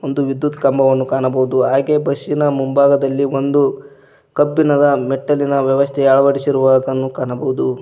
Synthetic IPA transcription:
ond̪uʋid̪ːut̪kɐmbɐʋɐnːukaːɳɐbɐʋud̪uɦaːɡe̞bɐʃinɐmumbaːɡɐd̪ɐlːiond̪u | kɐbːinɐd̪ɐmeʈːɐlinɐʋjɐʋɐst̪ʰɛaɭɐʋɐɽisiɾuʋaːd̪ɐnːukaːɳɐbɐwud̪u

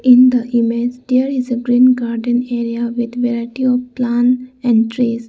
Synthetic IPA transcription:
ĩnd̪əʔimed͡ʒd̪eəɾizəɡɾĩːnɡaɾɖə̃neɾiaʋid̪ʋeɾaɪʈiɔʋplãnɛ̃ɳɖʈɾes

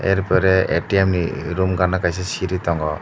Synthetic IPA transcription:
ɛ̰ɾpɔɾɛetiemnḭɾumɡanakajsɛsiɾit̪ɔŋɡɔ

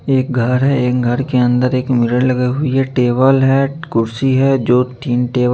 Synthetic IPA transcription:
eːk̚ɡʱɐɾɦɛeːk̚ɡʱɐɾkeə̃nd̪əɾeːkmɪɾəɽ̃lɐɡeɦʊiɦɛʈeːbəlɦɛkʊɾsiɦɛd͡ʒoːt̪iːnʈeːʋ

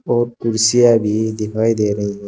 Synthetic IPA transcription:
ɔɾkuɾsijabid̪iɦajd̪ena

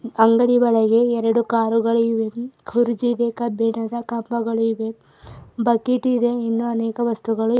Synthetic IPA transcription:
ɐŋɡɐɽiʋɐɭɐɡe̞ɛɾɐɽukaːɾuɡɐɭuiʋekʰuɾud͡ʒid̪ekɐbʱɛɳɐd̪ɐkɐmpɐɡɐɭiʋe | bɐkːiʈid̪e̞inːuɐnɛːkɐʋɐst̪uɡɐɭu

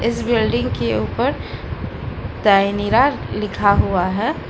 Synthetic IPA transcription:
ɪsbɪlɖɪ̃ŋɡkeuːpəɾ | t̪aɪniɾa | lɪkʰaɦuaɦɛː

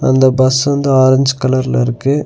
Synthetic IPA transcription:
ɐ̰nd̪ɐbɐsʋɐnd̪ɯaːɾɐɲd͡ʒɯkɐlɐɾɪlɪɾɯkːɯ

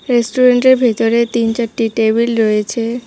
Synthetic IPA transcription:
ɾesʈuɾeɳʈeɾbʱet̪oɾet̪int͡ɕaɾʈiʈebilɾojet͡ɕʰe

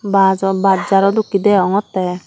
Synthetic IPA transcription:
bazɔbadd͡ʒaɾɔd̪ukid̪ɛɔŋɔt̪ːɛ

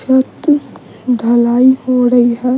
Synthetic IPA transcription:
ət̪i | ɖʱəlaːiɦoɾəiɦɛ

